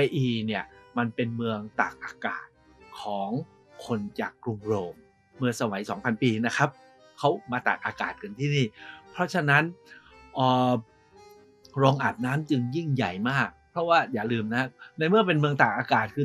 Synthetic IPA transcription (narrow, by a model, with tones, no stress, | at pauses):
a˧jʔiː˧ni˥˩əma˧npe˧nmɯ˧əŋt̪a̰ː˨˩k̚ʔaː˧ka̰ː˨˩t̪̚ | kʰɔː˩˦ŋ | kʰo˧nt͡ɕaː˨˩kːɾu˧ŋɾoː˧mː | ɯ˧əŋsa˧wa˩˦jsɔː˩˦ŋpʰa˧npiː˧na˦˥kʰa˦˥p̚ | kʰa˦˥wmaː˧t̪a̰ː˨˩k̚ʔaː˧kaː˨˩t̪̚ka˧nt̪ʰiː˥˩niː˥˩pʰɾɔ˦˥t͡ɕʰa˧na˦˥nʔəː˨˩ | ɾɔː˧ŋʔa˨˩p̚naː˦˥mt͡ɕɯ˧ŋji˥˩ŋja˨˩jmaː˥˩k̚pʰɾɔ˦˥waː˥˩jaː˨˩lɯː˧mna˦˥a˥na˧jmɯ˥˩əp̬e˧nmɯ˧əŋt̪aː˨˩k̚ʔaː˧kaː˨˩t̪̚kʰɯː˧